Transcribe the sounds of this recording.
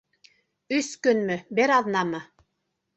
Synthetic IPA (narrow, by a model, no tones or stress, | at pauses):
ʉskɵnmɘbɘɾɑðˠnɑmɤ